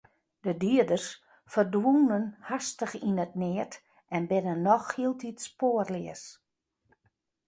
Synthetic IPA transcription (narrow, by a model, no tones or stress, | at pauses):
d̥ədiədərs | fərdwunənhastəxinət̚nɪət | ʔɛnbɪnənːɔxhiəlˠtʰitspoərlɪəs